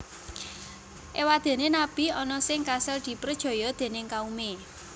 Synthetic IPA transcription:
ʔewad̪̥e̤nenab̥i̤ɔnɔsɪŋkasəld̪̥i̤pɾəd̥ʒ̥ɔ̤jɔd̪̥e̤nɪŋkaume

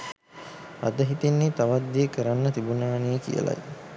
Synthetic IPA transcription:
a̰d̪əɦit̪inːit̪aʋad̪ːijekəɾanːət̪ibunaːnejəkḭjə̰la̰j

